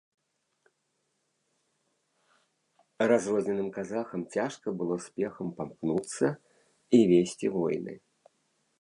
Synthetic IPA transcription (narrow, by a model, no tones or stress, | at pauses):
razrɔzʲnʲɛnɨmkazaxɐmt͡sʲaʂkɐbɨlˠɔsʲpʲɛxɐmpamknut̪sːɐ | ivʲesʲt͡sʲivɔjnɨ̰